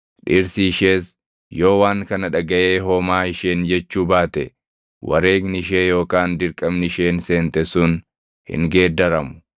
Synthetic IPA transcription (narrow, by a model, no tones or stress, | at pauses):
ᶑɪɾsiːʃeːs | jo̞ːwaːŋkɐnɐᶑɐɡɐʔeːɦoːmaːɪʃeːnd͡ʒɛt͡ʃːuːbaːt̪ɛ | wʔɐ̰ɾe̞ːɡnɪʃ̬e̞ːjo̞ːkaːnd̪ɪɾkʼɐbnɪʃeːnse̞ːnt̪ɛsʊn | hɪ̰ŋɡe̞ːd̪ːɐɾɐmʊ̥